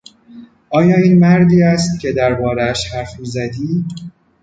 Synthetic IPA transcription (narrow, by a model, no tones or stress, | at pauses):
ʔɒːjɒːiːnmæɾd̪iːæst̪̚cʲʰe̞d̪æɾbɒːɾeæʃhæɾfmiːzæd̪iː